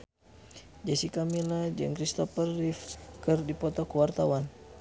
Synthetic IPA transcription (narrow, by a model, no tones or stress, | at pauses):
d͡ʒasikamilad͡ʒɨ̰ŋkɾist̪ɔpərːifkərdipɔt̪ɔkəwart̪awan